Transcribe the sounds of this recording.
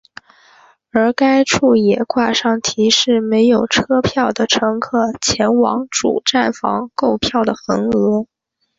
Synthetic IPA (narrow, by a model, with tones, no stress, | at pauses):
ə˞˧˥ka˥ɪʈ͡ʂʰu˥˩jɛ˨˩kwa˥˧ʂɑ˥˩ŋt̪ʰi˧˥ʂɻ̩˥˩me˧˥ɪjo˨˩ʊʈ͡ʂʰɤ˥pʰjɑ˥˩ʊd̪ə˩ʈ͡ʂʰɤ˧˥ŋkʰɤ˥˩t͡ɕʰjɛ˧˥nwɑ̰˧˥ŋʈ͡ʂṵ˨˩ʈ͡ʂa˥˩nfɑ̰˧˥ŋko˥˧ʊpʰjɑ˥˩ʊd̪ə˩xə˧˥ŋɤ˧˥